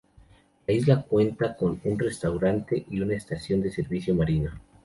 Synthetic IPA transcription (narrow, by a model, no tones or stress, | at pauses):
laizlakwe̞nt̪ako̞nunre̞st̪awɾant̪e̞ʔiunaest̪asjo̞nd̪e̞se̞ɾβisjo̞maɾino